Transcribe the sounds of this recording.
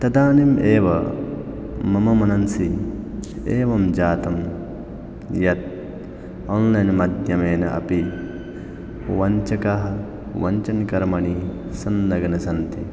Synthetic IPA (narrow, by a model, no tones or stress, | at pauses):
t̪ɐd̪aːnimeːʋɐ̰ | mɐmɐmɐnɐnsi | eːʋɐmd͡ʒaːt̪ɐm | jɐt̪̚ | oːnlɐjnmɐd̪jɐmeːnɐ̰ʔɐ̰pi | ʋɐɲt͡ʃɐkɐɦɐ | ʋɐɲt͡ʃɐnkɐɾmɐɳisɐnːɐɡɐnɐsɐnt̪i